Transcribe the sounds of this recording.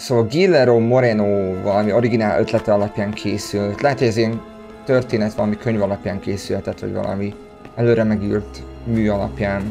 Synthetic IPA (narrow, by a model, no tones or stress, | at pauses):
soːvɒlɡilːɛɾomo̞ɾɛnoːvɒlɒmio̞ɾiɡinaːlø̞t̪lɛt̪ɛɒlɒpjaːŋkʰeːsylt̪lɛɦɛt̪hoɟɛziɛn | t̪ørt̪eːnɛt̪ʋɒlɒmikøɲvɒlɒpjaːŋkeːsylhɛt̪ɛt̪ːʋɒ̰ɟvɒ̰lʔɒ̰mi | ɛløːɾɛmɛɡḭrt̪ | myːɒlɒ̰pjaːn